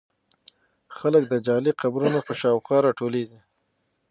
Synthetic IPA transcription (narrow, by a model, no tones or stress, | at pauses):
xalək̚d̪əd͡ʒɑliqabɾunapəʃɑwxɑɾɑʈolezi